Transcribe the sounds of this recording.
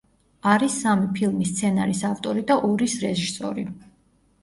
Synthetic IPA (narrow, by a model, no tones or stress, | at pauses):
aɾisːamipʰilˠmist̪sʰɛna̰ɾisaft̪ʼɔɾid̪aʔɔɾisɾɛʒiɾsɔ̰ɾi